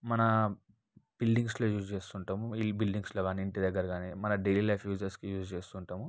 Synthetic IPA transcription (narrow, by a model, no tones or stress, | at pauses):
mɐnɐ | b̥ilɖiŋɡslo̞ːjuːd͡ʒt͡ʃe̞ːst̪uɳʈaːmuibilɖiŋɡslo̞ːɡaːniːɳʈid̪ɐɡːɐɾɐɡaːnimɐnɐɖejliːlɐjpʰjuːd͡ʒɐɾskijuːd͡ʒt͡ʃeːst̪uːɳʈaːmu